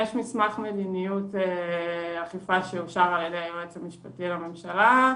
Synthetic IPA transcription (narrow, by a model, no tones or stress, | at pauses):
jeʃmismaχme̞dinijuteaχifaʃeuʃaʁaledeajoʁet͡samiʃpatilame̞mʃala